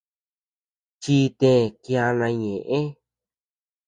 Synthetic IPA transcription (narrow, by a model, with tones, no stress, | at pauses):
t͡ʃi˦t̪ẽ˦˧˨kja˧nã˧ɲẽ˨ʔẽ˦